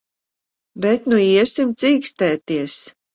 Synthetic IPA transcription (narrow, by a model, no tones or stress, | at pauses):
bʲɛt̪nuiɛsimt̪sʲiːkst̪ɛːt̪iɛs